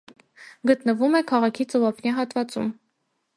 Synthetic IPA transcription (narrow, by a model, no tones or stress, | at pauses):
ɡət̪nəvumɛkʰɑʁɑkʰit͡sɔvɑpʰnjɑɦɑt̪vɑt͡sṵm